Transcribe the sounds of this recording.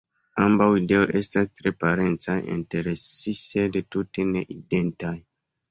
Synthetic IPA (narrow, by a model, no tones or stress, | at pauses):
ambawide̞oʔe̞stastɾe̞paɾe̞nt͡sajḭnte̞ɾesisede̞tute̞ne̞ʔide̞ntaj